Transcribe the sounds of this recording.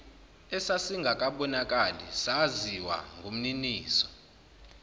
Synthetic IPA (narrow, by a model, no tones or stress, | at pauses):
ɛsasiŋɡʱakʼaɓɔnakʼalḭsaziwa̰ŋɡʱum̩niniːsɔ̥